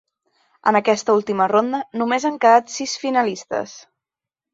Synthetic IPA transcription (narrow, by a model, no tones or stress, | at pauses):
ə̰nəkɛst̪əulˠt̪imərond̪ənumezaŋkəðat̪sisfinəlist̪ə̰s